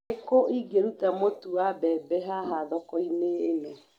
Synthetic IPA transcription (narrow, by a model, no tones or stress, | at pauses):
ekoʔiɡeɾutamotuabɛːbɛɦaɦaðɔkɔineːnɛ